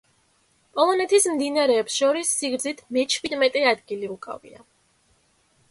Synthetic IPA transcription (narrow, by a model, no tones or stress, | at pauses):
pʼɔlˠɔnɛt̪ʰismd̪inaɾɛːpsʃɔɾisːiɡɾd̪zit̪ʰmɛt͡ʃʰwid̪mɛt̪ʼɛad̪ɡiliukʼa̰vḭa̰